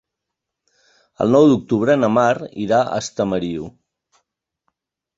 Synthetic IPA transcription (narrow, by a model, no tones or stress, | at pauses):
ə̰lˠnɔwd̪uk̚t̪uβɾənəmarḭɾaʔə̰st̪əməɾiu